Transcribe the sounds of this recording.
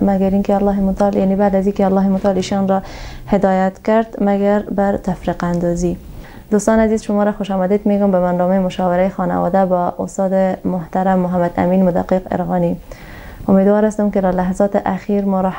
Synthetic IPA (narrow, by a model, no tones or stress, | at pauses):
maɡaɾinkealːɑɦɪmʊt̪aljanebad̪azikealːɑɦemʊt̪ɑliʃɑnɾɔ | hɪd̪ɑjat̪kaɾd̪maɡaɾbaɾt̪afɾiqand̪ɑzi | d̪̥ost̪ɑnazizʃʊmɑɾaxʊʃɑmad̪ed̪meɡʊmbamand̪ɔmejmʊʃɑwɪɾajxɑna̰wɑ̰d̪abɔʔʊ̰st̪ɑd̪ɪmʊht̪aɾamːʊɦamad̪a̰minmʊd̪a̰qːiqɪ̰ɾɣɑni | ʊmed̪wɑɾast̪ʊmked̪alaɦazɑt̪ɪʔaxiɾmɔɾɔ